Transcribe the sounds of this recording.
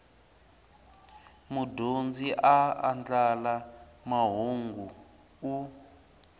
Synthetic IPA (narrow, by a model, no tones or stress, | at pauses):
mudʱond͡ziʔaa̰nd͡ɮalamaɦoŋɡu | u